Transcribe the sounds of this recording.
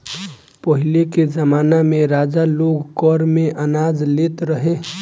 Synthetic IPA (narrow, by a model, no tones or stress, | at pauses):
pəɦileked͡ʒəmaːnamẽɾaːd͡ʒaloɡkɔɾmẽʔənaːd͡ʒleːt̪ɾəɦe